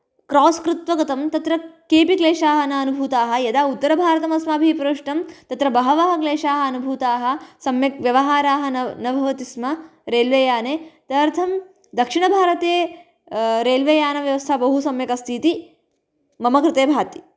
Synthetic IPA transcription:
kɾɔːskɾut̪ʋɐɡɐt̪ɐmt̪ɐt̪ɾɐkeːpikleːʂaːɦɐnɐːnubʱuːt̪aːɦɐ̆jɐd̪aːut̪ːɐɾɐbʱaːɾɐt̪ɐmɐsmaːbʱipɾɐʂʈɐmt̪ɐt̪ɾɐbɐɦɐʋaːɦɐkleːʂaːɦɐɐnubʱuːt̪aːɦɐ̆sɐmjɐk̚ʋjɐʋɐɦaːɾaːɦɐ̆nɐnɐbʱɐʋɐt̪ismɐɾeːlʋeːjaːnet̪ɐɾt̪ʰɐm | d̪ɐkʂiɳɐbʱaːɾɐt̪eː | ɾeːlʋeːjaːnɐʋjɐʋɐst̪ʰɐbɐɦusɐmjɐkɐst̪ʰiːt̪i | mɐmɐkɾɪt̪eːbʱaːt̪i̥

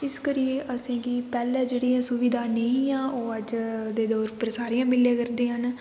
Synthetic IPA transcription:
ɪskəɾieːʔəsẽːɡiːpɛːlɛːd͡ʒeːɽiːãːsʊʋɪd̪aːnəĩːãːʔoːəd͡ʒd̪eːd̪ɔːɾpɾəsaːɾiːãːmɪlːẽːkəɾd̪eːɦən

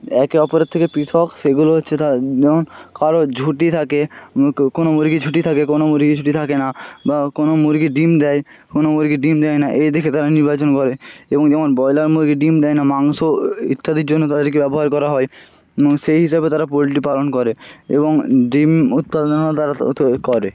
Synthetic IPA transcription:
ɛkeɔpoɾet̪t̪ʰːekepit̪ʰɔkʃeɡuloɦot̪ːɕʰet̪aɛmonkaɾod͡ʑʱuʈit̪ʰakekonomoɾɡid͡ʑʱuʈit̪ʰakekonomuɾɡid͡ʑʱuʈit̪ʰakenabakonomuɾɡiɖimd̪ɛj | konomoɾɡiɖimd̪ɛjnaʔejd̪ekʰet̪aɾaniɾbat͡ɕonkɔɾeeboŋd͡ʑɛmonbɔjlaɾmuɾɡiɖimd̪ɛjnamaŋsoḭt̪ʰːad̪iɾd͡ʑonːot̪ad̪eɾkebɛboɦaɾkɔɾaɦɔe | oŋʃejɦiʃabet̪aɾapoliʈ̬ipalonkɔɾeḛboŋɖimut̪̚pad̪onat̪aɾakɔɾe

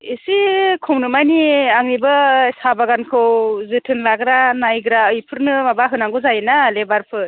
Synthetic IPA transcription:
isikʰɔwnɯmajniaŋnibɯsabaɡankʰɯwzɯtʰɯnlaɡɾanajɡɾaɯjpʰɯɾnɯmabaɦɯnaŋɡɯzajenalebaɾpʰɯ

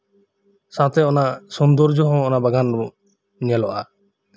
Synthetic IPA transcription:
sãt̪eɔnasɔnd̪ɔɾd͡ʒɔɦɔ̃ɔnabaɡan | nialɔʔa

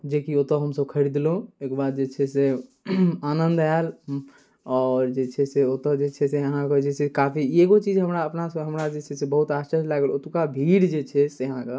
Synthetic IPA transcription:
d͡ʒekiot̪əɦəmsəbkʰəɾid̪loekbad̪̚d͡ʒet͡ʃʰɛse | anənd̪ael | ɔɾd͡ʒet͡ʃʰɛseot̪əd͡ʒet͡ʃʰɛseəɦãked͡ʒesekapʰieɡot͡ʃid͡ʒɦəmɾaəpnasɦəmɾad͡ʒet͡ʃʰɛsebəɦut̪ast͡ʃəɾlaɡəlot̪ukabʱiɽd͡ʒet͡ʃʰɛseɦãke

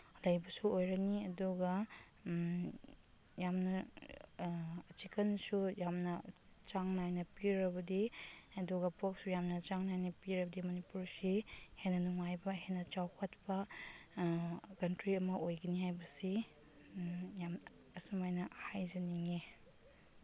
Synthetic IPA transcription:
lajbɐsuojɾɐniɐduɡɐ | jamnɐ | t͡ʃikɐnsujamnɐ | t͡ʃaŋnajnɐpiɾɐbɐdiɐduɡɐpok̚sujamnɐt͡ʃaŋnajnɐpiɾɐbɐdimɐnipuɾsihenːɐnuŋajbɐɦenːɐt͡ʃawkʰɐt̚pɐ | kɐntɾiɐmɐʔojɡɐnihajbɐsi | jam | ɐsumajnɐhajzɐniŋe

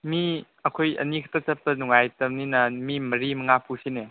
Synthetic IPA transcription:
mi | ɐkʰojɐ̰nikʰtɐtɐp̚tɐnuŋajtɐmninɐmimɐɾimɐŋapʰusine

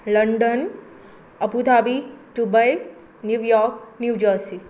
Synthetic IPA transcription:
ləɳɖən | əput̪ʰabiɖubəj | njuʋjɔk̚njud͡ʒəsi

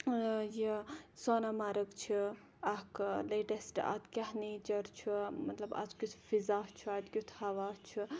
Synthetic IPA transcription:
jisoːnamaɾɐkt͡ʃʰi | ɐkleʈesʈa̰t̪kʲaɦnit͡ʃɐɾt͡ʃʰumɐt̪lɐba̰t͡skʲut̪ʰfizaːɦt͡ʃʰuat̪kʲut̪ʰhɐʋaːt͡ʃʰu

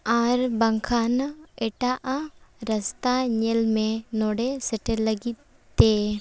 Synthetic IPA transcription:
aɾbəŋkʰaneʈaʔɾəst̪aɲelmẽnoɽesəʈeləɡi | t̪e

